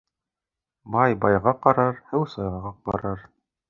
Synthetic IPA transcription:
bɑjbɑjʁɑqɑɾɑɾhɘwsɑjʁɑʁɑq̚bɑ̰ɾɑɾ

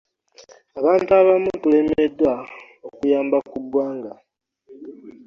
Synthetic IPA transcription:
aβaːntuaβamutulemedːwa | okujaːmbakudwaːŋɡa

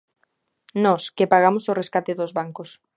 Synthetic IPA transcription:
nɔskepaɣamosoreskat̪ɪðozβaŋkos

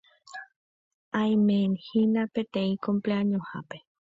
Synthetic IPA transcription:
ajmeːnhinapet̪eĩkompleaɲoha̰pe

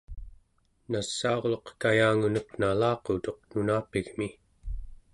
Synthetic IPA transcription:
nasːaoʁloqkajaːŋunʌqnalɑːqot̪o̞q̚nunaːpiɣmi

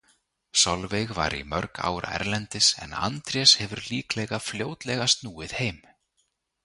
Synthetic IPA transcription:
sawlvejɣva̰ɾḭmœɾka̰ːwɾʔa̰ɛ̰ɾlɛnt̪ɪsɛ̰na̰nt̪ɾjɛshɛvʏɾliːklɛɣafljoːwt̪lɛɣast̪nuːɪðheːjm

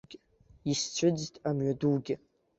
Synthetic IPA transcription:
ɡʲ | ist͡ɕʷʰɨd͡ztʼamɥaduɡʲɪ

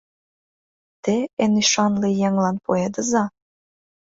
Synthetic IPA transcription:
t̪eenyʃɑnlejæŋlɑnpoed̪əzɑ

